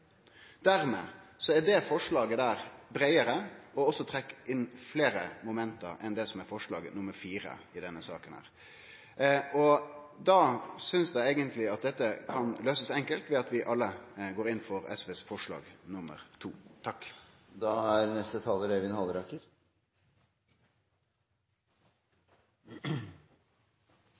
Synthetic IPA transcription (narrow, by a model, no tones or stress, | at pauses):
d̪æɾmḛːsɔæɖɛfɔʂɭɑːɡəd̪æːɾbɾæɪəɾəɔɔsːɔt̪ʰɾɛkːɪnːfleːɾə̰mʊmɛnt̪ə̰ɾɛnd̪ɛsɔmɛɾfɔʂɭɑ̰ːɡənʊmːəɾfiːɾə̰ɪd̪ɛnːəsɑ̰ːkənhæ̰ːɾ | ɔ | d̪ɑːsʏnsd̪æɪæɪɡənt̪ʰlɪɑt̪̚d̪ɛt̪ːəkʰɑnløːsəsɛŋkəlt̪ʋɛɑt̪ʋɪʔɑlːəɡoːɾɪnːfɔɾɛ̰sʋeːsfɔʂɭɑ̰ːɡnʊmːə̰ɾt̪ʰṵːt̪ʰɑkː | d̪ɑːæɾnɛst̪ət̪ʰɑːləɾɛʋɪnhɑlɾɑkəɾ